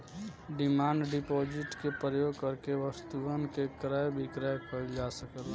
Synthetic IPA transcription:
ɖimaːɳɖɖipod͡ʒɪʈkepɾəjoɡ̚kəɾkeʋəst̪uənkekɾəjbʱikɾəjkʰəld͡ʒasəkəl

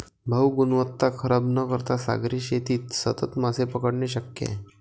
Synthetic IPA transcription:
bʱəwɡunʋət̪ːakʰəɾabnəkəɾt̪asa̰ɡɾiːɕet̪iːt̪sət̪ət̪masepəkəɽneɕəkjḛ

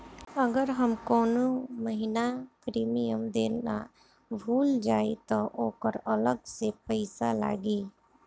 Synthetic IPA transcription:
əɡəɾɦəmkɔːnoməɦinakɾiːmijəmd̪eːna̰ | bʱuːld͡ʒaːet̪ɔʔoːkəɾələɡsepəɪsala̰ːɡiː

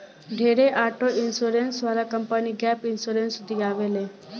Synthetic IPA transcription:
ɖʱeːɾeʔaːʈoʔɪnsuɾeːnsʋaːɾakəmpəniɡɛːpɪnsuːɾeːnsd̪ʱiaːʋeːleː

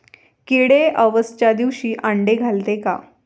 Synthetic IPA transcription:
keɽeəʋəst͡ɕad̪iʋɕiːʔãɳɖeɡʱalt̪eka̰

